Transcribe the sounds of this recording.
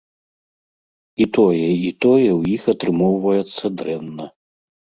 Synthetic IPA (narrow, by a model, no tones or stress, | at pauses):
it̪ɔjɛit̪ɔjɛwjixɐt̪ɾɨmɔwvɐjɛt̪sːɐd̪ɾɛnːɐ